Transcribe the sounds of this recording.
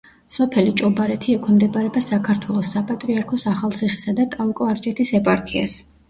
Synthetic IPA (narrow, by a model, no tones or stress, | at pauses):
sɔpʰɛlit͡ʃʼɔbaɾɛt̪ʰiɛkʰɛmd̪ɛbʼaɾɛbasakʰaɾt̪ʰwɛlˠɔsːapʼat̪ʼɾiaɾkʰɔsaχalˠt̪sʰiχi̥sad̪at̪ʼaukʼɔaɾt͡ʃʼɛt̪ʰisɛpʼaɾkʰia̰s